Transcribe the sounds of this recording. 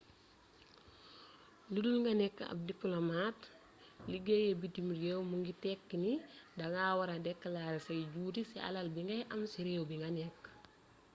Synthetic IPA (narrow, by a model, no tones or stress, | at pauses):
ludulŋɡɐnɛkːɐ̰b̚diplomat | liɡejebitimɾɡewmuŋɡitɛkːinidaŋaːwaɾadɛkːəlaːɾsɐjɟuːɾisia̰lɐlbiŋɡɐjʔɐmsiɾewbiŋɡanɛkː